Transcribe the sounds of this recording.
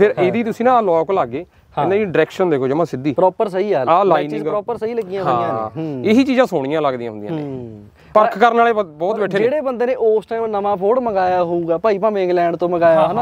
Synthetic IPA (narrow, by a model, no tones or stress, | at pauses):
pʰɪɾʔeːd̪iːt̪ʊsĩːnãːlɔːklaɡːeː | ɪnãːɖɪɾɛːkʃənd̪eːkʰoːd͡ʒɪmãːsɪd̪iːpɾɔːpəɾsəiːaːaːlaːinɪ̃ŋɡɾɔːpəɾsəiːləɡiːãɦãːãːɪɦiːt͡ʃiːzãːsʊːɽ̃ijãːləɡd̪ijãɦʊ̃nd̪jã̰ːnḛː | pəɾkʰkəɾnaːleːbɔːt̪bɛeːd͡ʒeːɽeːbənd̪eːneːʔoːsʈaːiːmnəmãːpʰoːɽməɡaːjaːɦouːɡaːpaːiːpãːmẽŋɡlɛ̃ːɳɖt̪õːməɡaːjaːɦnaː